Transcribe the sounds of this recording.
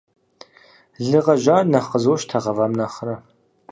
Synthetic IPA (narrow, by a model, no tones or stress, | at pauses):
ɮɨʁɐʒaːrnɐχəzoʃtʰɐʁɐvaːmnaχɐɾɐ